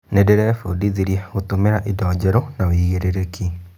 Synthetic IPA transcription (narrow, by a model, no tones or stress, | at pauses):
nedeɾɛfodiðiɾjeɣotomeɾaʔedɔːd͡ʒɛɾonawiːɣeɾeɾekʰi